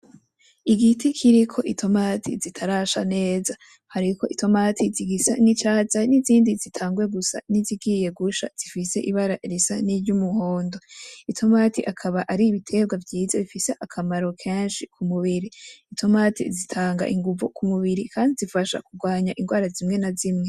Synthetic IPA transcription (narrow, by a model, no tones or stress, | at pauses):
iɡitikʰiɾikʰo̞ʔitʰo̞matʰḭzitʰaɾaʃa̰ne̞ːza | haɾikʰo̞̰ʔitʰo̞maːtʰiziɡisa̰nit͡ʃaːzaniziːndizitʰaːŋɡwe̞ɡusa̰niziɡiːje̞ɡuʃa̰z̥ifise̞̰ʔiβaɾaɾisaniɾɟumuhoːndo̞itʰo̞maːtiʔakʰaβaʔaɾiːβitʰe̞b̚ɡwavjiːzaβifise̞ʔakʰamaɾo̞kʰeːnʃikʰumuβiɾiːtʰo̞maːtḭzitʰaːŋɡa̰ʔiŋɡuvokʰumuβiɾikʰaːndizifaʃa̰kuɡwaːɲaʔiŋɡwaːɾazimŋe̞nazimŋe̞